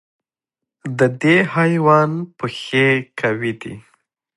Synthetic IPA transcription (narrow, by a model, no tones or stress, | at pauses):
d̪əd̪ehɑjwɑnpəxekʰawid̪ḭ